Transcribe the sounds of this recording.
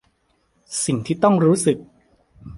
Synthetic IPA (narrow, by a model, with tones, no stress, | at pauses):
si˨˩ŋt̪ʰiː˥˩t̪ɔ˥˩ŋɾuː˦˥sɯ˨˩k̚